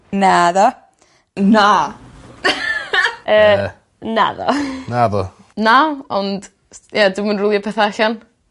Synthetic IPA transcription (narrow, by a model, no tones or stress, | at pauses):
naðɔ | na | əː | na̰ðɔ̰naðɔ | naɔnd̥ | jadɪmənrʊlˠjapʰɛθaɬan